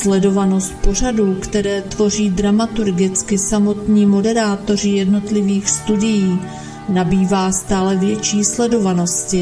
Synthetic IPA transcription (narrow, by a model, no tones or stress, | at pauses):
slɛdo̞vano̞st̪̚po̞r̝aduːkt̪ɛɾɛːt̪vo̞r̝iːd̪ɾamat̪uɾɡɪt͡skɪsamo̞t̪ɲiːmo̞dɛɾaːt̪o̞r̝ɪjɛdno̞t̪lɪviːxst̪udɪjiː | nabiːvaːst̪aːlɛvjɛt͡ʃiːslɛdo̞vano̞scɪ